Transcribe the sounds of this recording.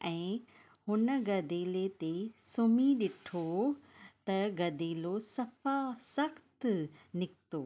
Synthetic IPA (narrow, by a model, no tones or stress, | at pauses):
ɛ̃ː | hʊnəɡɐd̪eːlet̪esʊmiɗɪʈʰo | t̪ɐɡɐd̪eːlosɐfasɐxt̪nɪkt̪oː